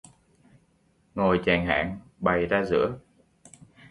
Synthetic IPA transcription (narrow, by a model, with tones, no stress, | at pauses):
ŋo˨˩jt͡ɕɛː˨˩ŋɦa̰ː˧˨ŋɓa˨˩jzaː˧zɨ̰˧˥ə